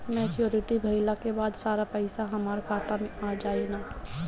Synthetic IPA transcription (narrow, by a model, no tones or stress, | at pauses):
mɛːt͡ʃjoːɾɪʈibʱɐɪlakebaːd̪saːɾapɛɪsaɦɐmaːɾkʰaːt̪amẽʔaːd͡ʒaːenaː